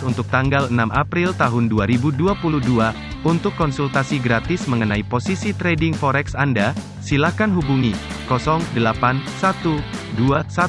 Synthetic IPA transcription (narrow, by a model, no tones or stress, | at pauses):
unt̪ʊk̚t̪aŋɡalənamapɾilt̪aɦʊnduaɾibuduapuluhdua | unt̪ʊkːɔnsult̪asiɡɾat̪ɪsməŋənaiposisit̪ɾɛdɪŋfɔɾɛksanda | silakanɦubuŋi | kɔsɔŋdəlapansat̪uduasa